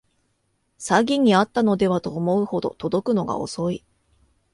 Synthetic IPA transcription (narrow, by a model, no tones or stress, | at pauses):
saɡʲiɲ̟iat̪ːano̞d̪e̞βat̪oːmo̞ɯ̟ho̞d̪o̞̰t̪o̞d̪o̞kɯ̟no̞ɡa̰o̞̰so̞i